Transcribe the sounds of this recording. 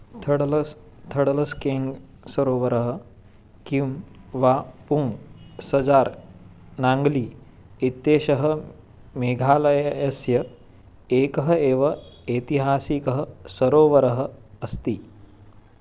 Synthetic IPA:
t̪ʰɐɽlɐs | t̪ʰɐɽɐlɐskeːŋɡ | sɐɾoːʋɐɾɐɦɐ | kimʋapuŋɡsɐd͡zaːɾ | naŋɡliː | it̪ːeːɕɐɦɐ̆ | meːɡʱaːlɐjjɐsjɐ | eːkɐɦɐeːʋɐeːt̪iɦaːsikɐɦɐsɐɾoːʋɐɾɐɦɐ̆ːst̪iː

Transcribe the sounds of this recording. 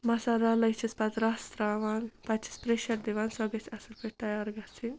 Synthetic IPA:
mɐsaɾalɐjt͡ʃʰispɐt̪ɾast̪ɾaʋaːnpɐt̪t͡ʃʰi̥spɾeʃɐɾd̪iʋaːnsɐɡɐsʰɐsɐlpʰeʈʈɐjaːɾɡɐt͡sʰi

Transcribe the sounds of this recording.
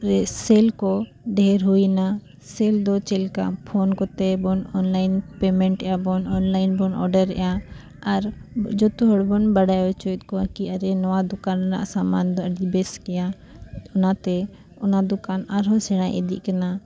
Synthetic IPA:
ɛseːlkɔ | ɖɛːɾɦuina | seld̪ɔt͡ʃelka̰pʰoːnkɔt̪ɛbɔnɔnlaːɪnpeːmɛ̃ɳʈɛjabɔnɔnlaːɪnbɔnɔ̰ɖəɾ̰ja | ɐɾd͡ʒɔt̪uɦɔɽbɔnbəɽajɔt͡ʃɔjt̪̚kɔakiəɾɛnɔwad̪ʊkaːnna̰ʔsaːmaːnd̪ɔəɖibeskɪja | ʊnat̪ɛ | ʊnad̪ʊkaːnaɾɦɔ̃sɛɽãʔḛd̪ḭʔkənaː

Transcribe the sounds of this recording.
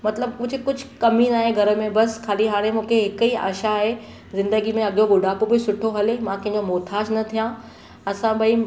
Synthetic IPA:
mɐt̪ləbkʊd͡ʑʱɪkʊd͡ʑʱʊkɐmĩnaːɦẽɡʱɐɾə̆mẽbɐskʰaːliɦaːɽ̃emũːkʰeɦɪkiːa̰ːʃaːɦe | zɪ̃nd̪əɡimẽɐɠoɡʊɖaːpobɪsʊʈʰoɦɐlemãkɐ̃ɦɪ̃ɲd͡ʑomoːt̪ʰaːʃnɐt̪ʰijã | ɐsãbɐi

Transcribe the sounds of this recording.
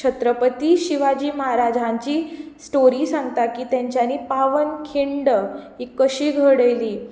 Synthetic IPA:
t͡ɕʰət̪ɾəpət̪iːɕiʋad͡ʑiːməɦaɾad͡ʑʱaɲt͡ɕiːsʈoɾiːsaŋɡt̪akiːt̪jaɲt͡ɕjaniːpaʋənkʰiɳɖəɦiːkːəɕiːɡʱəɽəjliː

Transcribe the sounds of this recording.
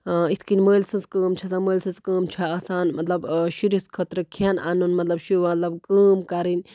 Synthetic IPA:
it̪ʰkinʲməːlʲsɐnskəːmt͡ʃʰɐsɐməːlʲsɐnzkəːmt͡ʃʰaaːsaːnmɐt̪lɐbʃiɾiskʰət̪ɾɨkʰiɐna̰nunmɐt̪lɐbʃuʋmɐt̪lɐbkəːmkɐɾinʲ

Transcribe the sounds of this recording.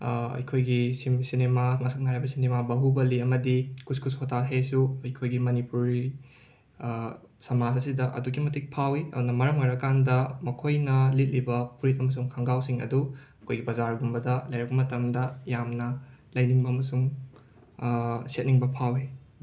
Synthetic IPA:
ɐ̰jkʰojɡisimsinemamɐsʰɐk̚naɾajbɐsinemabɐɦubɐliɐmɐdikuskusʰotʰaɦesuɐjkʰojɡimɐnipuɾi | sɐmasɐsidɐʔɐ̰duɡimɐtik̚pʰawiʔɐ̰dunɐmɐɾɐmojɾɐkandɐmɐkʰojnɐlit̚libɐpuɾitɐmɐs̬uŋkʰɐŋɡawsiŋɐ̰duɐkʰojɡipɐzaɾɡumbɐdɐlɐjɾɐpɐmɐtɐmdɐjamnɐlɐjniŋbɐːmɐsuŋ | set̚niŋbɐpʰawi

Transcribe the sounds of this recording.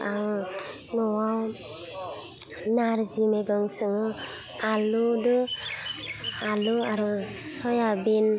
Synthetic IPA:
aŋ | ŋɔwaw | naɾzimeɡɯŋsɯŋɯ | aludɯ | aluaɾɔsɔjabin

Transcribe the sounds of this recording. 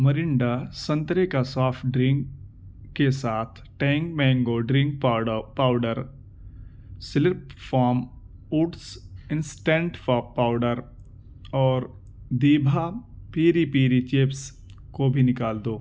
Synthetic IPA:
mɐɾɪɳɖasɐ̃nt̪ɾekasaːfʈɖɾɪ̃ŋk | kːesaːt̪ʰʈɛ̃ːŋk̚mɛ̃ːŋɡoɖɾɪ̃ŋk̚paːʊɖəɾ | sɪlɪpfaːɾm | uːʈsɪ̃nsʈẽɳʈfapaːʊɖəɾ | ɔːɾ | d̪iːbʱapiːɾipiːɾit͡ʃeːps | kobʱinɪkaːld̪oː

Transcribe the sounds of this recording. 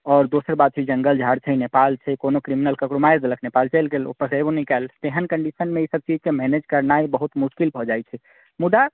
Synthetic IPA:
ɔːɾd̪osəɾbad̪̚t͡ʃʰid͡ʒə̃ŋɡəld͡ʒʱaɾt͡ʃʰɛinepalt͡ʃʰɛkonokɾiminəlkəkɾomaeɾd̪ələkʰnepalt͡ʃəlɡelo̰pəkəbonikɛlt̪eɦənkəɳɖisənmeisəb̚t͡ʃid͡ʒkemɛned͡ʒkəɾnaibəɦut̪muʃkilbʱɔd͡ʒajt͡ʃʰɛ | mud̪a

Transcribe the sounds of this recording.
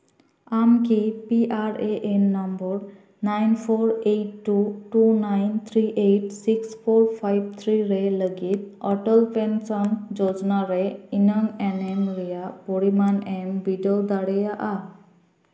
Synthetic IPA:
amkipiʔaɾeʔenːambɔɾ | najnpʰoɾejʈːuʈunajnt̪ʰɾiʔejʈsikspʰoɾpʰajb̚t̪ʰɾiɾeləɡit̪̚ɔʈəlpensɔnd͡ʒɔd͡ʒnaɾeinəŋɛnɛmɾɛjapɔɽimanɛmbiɖɔd̪aɽɛjaʔa

